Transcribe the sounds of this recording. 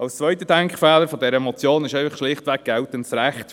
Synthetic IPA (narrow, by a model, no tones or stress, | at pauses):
ɑlst͡sʋœʏtədɛŋkχfɛːləɾfɔdɛɾəɛmɔt͡sjoːnɪʃɛɪfəχʃlɪχtʋɛɡ̚ɡ̥ɛltəntsɾæχt